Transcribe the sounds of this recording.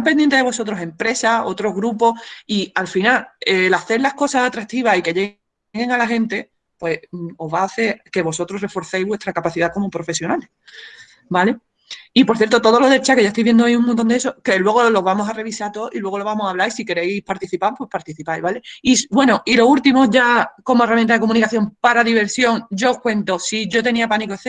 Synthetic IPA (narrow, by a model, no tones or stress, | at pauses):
t̪amp̬end̪jent̪eðeβo̞so̞t̪ɾo̞se̞mpɾe̞sao̞t̪ɾo̞ɦɣɾupo̞hialfinalelaθe̞ɾlahko̞sasat̪ɾak̚t̪iβ̞asike̞ʝe̞ɣ | ɣe̞ŋalaɦẽ̞nt̪e̞ | pwe̞o̞ɦβaːθe̞ɾke̞βo̞so̞t̪ɾoɦre̞fo̞ɾθejzβwe̞st̪ɾakapaθiðako̞mo̞pɾo̞fe̞sjo̞nale | bale̞ | ipoɾθje̞ɾt̪o̞t̪o̞ðo̞lo̞ðe̞lt͡ʃake̞ʝaet̪oijβjend̪oaiuŋmont̪o̞nd̪esoke̞lwe̞ɣ̞o̞lo̞βamo̞sare̞β̞isaɾt̪o̞ʔilwe̞ɣo̞lo̞βamosaβlaisike̞ɾe̞jpaɾt̪iθipapwe̞hpaɾt̪iθipajβale̞ibwe̞noʔilo̞ult̪imo̞ʝako̞moe̞ramjẽnt̪aðeko̞mũnikaθjo̞mpaɾaðiβ̞e̞ɾsjoŋɟ͡ʝoohkwẽ̞nt̪o̞siʝo̞t̪e̞niapanikoeθe